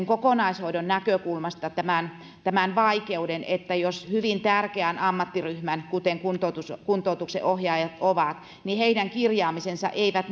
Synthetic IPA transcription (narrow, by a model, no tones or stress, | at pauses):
ŋkokonɑishoidɾonnækøkulmɑst̪ɑt̪æmæˑn | t̪æmænʋɑikeudenet̪ːæjoshyʋint̪ærkeænɑmːɑt̪ːiryhmænkut̪eŋkunt̪ot̪uskunt̪ˑoˑut̪uksḛʔohjɑːjɑt̪oʋɑˑt̪ | niheidæŋkirjɑːmisensɑ̰ʔeiʋæt̪